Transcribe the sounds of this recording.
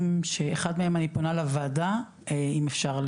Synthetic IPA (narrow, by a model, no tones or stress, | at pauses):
mʃeeχadmeemaniponalavaːda | eimefʃaʁl